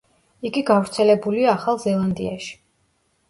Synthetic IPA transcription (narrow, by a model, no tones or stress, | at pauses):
iɡiɡavɾt̪sʰɛlɛbuliaːχalˠzɛlˠand̪ḭaʃi̥